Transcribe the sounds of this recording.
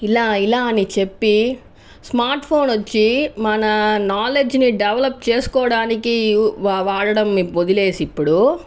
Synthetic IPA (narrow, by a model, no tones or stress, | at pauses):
ilaːilaːɐnit͡ʃe̞pːi | smaːɾʈpʰo̞ːnʋot͡ʃːimɐnɐnaːle̞d͡ʒniɖɛʋɐlɐp̚ːt͡ʃeːsu̥kɔːɽaːnikiʋaʋaːɽɐɽɐmːiod̪ile̞ːsipːuɽu